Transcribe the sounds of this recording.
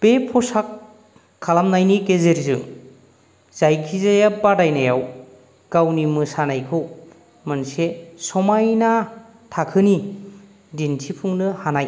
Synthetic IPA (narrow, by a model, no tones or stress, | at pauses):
b̥epʰɔsakʰː | alamnajniɡezeɾzɯ | z̥ajkʰizajabadajnajaw | ɡ̥awnimɯsanajkʰɯw | mɯnsesɔmajna | tʰakʰɯni | dintʰipʰuŋnɯhanaj